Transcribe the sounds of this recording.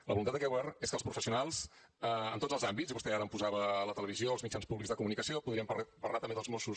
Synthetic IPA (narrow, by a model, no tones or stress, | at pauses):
ləβulunat̪əkɛwβɛreskəlˠspɾufəsiunalˠs | əə̰nt̪otzəlˠzambit͡sziβust̪ɛaɾəmpuzaβələt̪ələβizioəlzmit͡ʃanspuβlikzðəkumunikəsiopuðɾiəmpə̰rlat̪əmbeðəlˠzmosu